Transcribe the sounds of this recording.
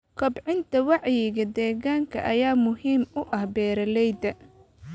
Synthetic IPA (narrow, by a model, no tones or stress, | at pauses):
kʰɔbʕɪnt̪ʰɐwɑʕjɪɣɐd̪ɛːɣaːŋkʰɐ̰ʔɐjaːmʊhiːmʊʔɐhbɛːɾɐlɛjd̪ɐ